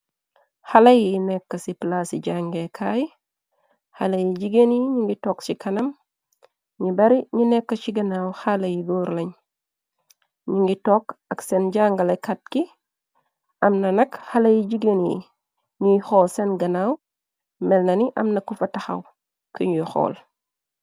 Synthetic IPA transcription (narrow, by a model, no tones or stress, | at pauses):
hɐlɐjinɛkːɐsiplasiɟaːŋɡekʰaːj | hɐlɐjiɟiɡeniɲiŋɡitoːksikʰɐnɐm | ɲibɐɾiɲinɛkːɐt͡ʃiɡɐnaːwhalɐjiɡoːɾlɐɲ | ɲiŋɡitɔːkɐksenɟaːŋɡɐlɐkɐt̚ki | ʔɐmnɐnɐkhɐlɐjiɟiɡeni | ɲixɔːlsenɡɐnaːw | mɛlnɐniʔɐmnɐkːufɐtɐxɐ̰w | kəɲjɔxo̰ːl